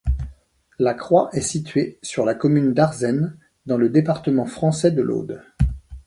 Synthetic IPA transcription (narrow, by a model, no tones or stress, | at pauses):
lakχwaʔɛsit̪ɥesyʁlakɔmynd̪aʁzɛn | d̪ɑ̃ləd̪epaʁt̪əmɑ̃fχɑ̃sɛd̪əlʔo̰d̪